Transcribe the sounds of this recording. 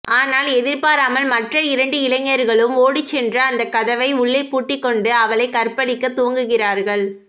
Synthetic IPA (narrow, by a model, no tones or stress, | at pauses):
aːnaːlɛðɪɾpaːɾaːmɐlmɐʈrɐɪɾɐɳɖɯɪlɐŋːɐɾɣɐɭɯmoːɽɪt͡ʃːɛndrɐːnd̪ɐkɐðɐʋɐɪʊɭːɐɪpuːʈːɪkːɔɳɖɯɐʋɐɭɐɪkɐrpɐɽɪkːɐt̪ːuːŋɡɯɣɪraːɾɣɐɭ